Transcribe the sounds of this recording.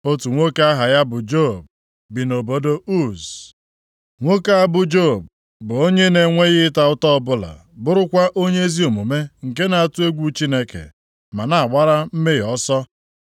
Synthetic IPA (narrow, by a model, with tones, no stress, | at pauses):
o˦tu˨ŋʷo˦ka˦ɦa˨ja˦bʊ˨d͡ʒo˦˨b̚ | bi˨no˨bo˦do˦u˦˨z | ŋʷo˦ka˦a˦bʊ˨d͡ʒo˦˨b̚ | bʊ˨o˦ɲe˦ne˨ŋʷe˦ɣɪ˦ta˨ʊ˦tɔ˦ɔ˨bʊ˦la̰˨bʊ˦ɾʊ˦kʷa˦ʔo˦ɲe˦e˦zi˦o˨mu˨me˦ŋ̩˨ke˦na˨a˨tu˦e˦ɡʷu˦t͡ʃi˦ne˦kḛ˨ | ma˨na˨a˨ɡ͡ba˦ɾa˦m̩˦me˦˨ɔ˦sɔ˦